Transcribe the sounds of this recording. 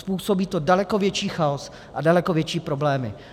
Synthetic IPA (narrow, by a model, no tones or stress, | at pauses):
spuːso̞biːt̪odalɛkovjɛt͡ʃiːxaos | ʔadalɛkovjɛt͡ʃiːpɾoblɛːmɪ̰